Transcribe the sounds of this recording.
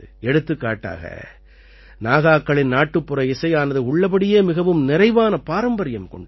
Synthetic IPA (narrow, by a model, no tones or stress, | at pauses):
ɛɽɯt̪ːɯkːa̰ːʈːa̰ːɣɐ̰ | naːɣaːkːɐɭɪnnaːʈːɯpːɯɾɐɪsɐɪaːnɐðɯʊɭːɐp̬ɐɽɪjeːmɪɣɐʋɯmnɪɾɐɪʋaːnɐpaːɾɐmbɐɾɪjɐmkɔɳɖ